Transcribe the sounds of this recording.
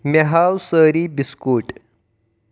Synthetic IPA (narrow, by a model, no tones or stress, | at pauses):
meɦawsəɾiːbiskuːʈ